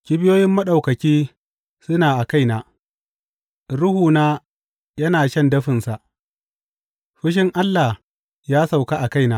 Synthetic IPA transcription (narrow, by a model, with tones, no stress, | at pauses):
kʲɪ˦bɪ˦joː˦jɪ˦mːɐ˦ɗa˨wkɐ˨kʲiː˦ | sʊ˦naː˨ʔa˨ka˦jnaː˨ | ɾʊ˦huː˨naː˦ | jɐ˦naː˨ʃɐ˦ndɐ˦ɸɪ˨nsa˨ʔ | ɸɪ˦ʃ̬ɪ˦ŋʔa˦lːa˨h | jaː˦sa˨wka˦ʔa˨ka˦jnaː˨˦